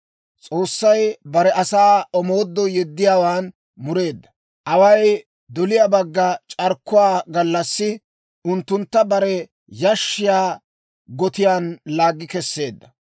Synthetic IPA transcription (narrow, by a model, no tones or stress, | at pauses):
t͡sʼo̞ːsːɐjbɐɾɛʔɐsaːɔmoːd̪ːɔjɛd̪ːɪjaːwaːn | mʊɾe̞ːd̪ːɐ̥ | ʔɐwɐj | d̪ɔlɪjaːbɐɡːɐt͡ʃʼɐɾkːʊwaːɡɐlːɐsːɪ | ʊnt̪ːʊnt̪ːɐbɐɾɛ | jɐʃːɪjaː | ɡɔt̪ɪjaːnlaːɡːɪkɛsːe̞ːd̪ːɐ